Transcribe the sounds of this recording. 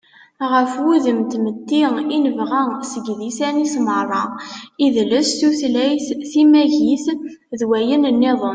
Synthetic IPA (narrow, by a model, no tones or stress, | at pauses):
ʁəfwuðəmt̪mət̪ːiinəvʁæsəɡðisænismərˤːɑiðləsθuθlæjθθimæʝiθ | ðwæjənənːeðˤən